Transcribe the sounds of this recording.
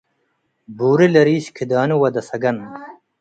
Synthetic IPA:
buːɾilɐɾiːʃkʰid̪aːnuwɐd̪ɐsɐɡɐn

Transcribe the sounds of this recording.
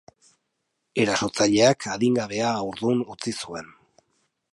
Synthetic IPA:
e̞ɾaso̞t͡saʎe̞akʰaðiŋɡaβe̞aːwɾðunut͡sisue̞n

